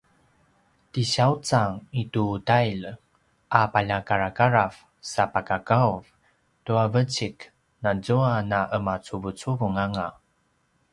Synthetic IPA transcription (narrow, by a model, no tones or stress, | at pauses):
tiɕaut͡saŋitutajl | ʔapaʎakaɾakaɾaf | sapakakauv | tuavət͡ɕik | nad͡zuanaʔəmat͡suvut͡suvuŋaŋa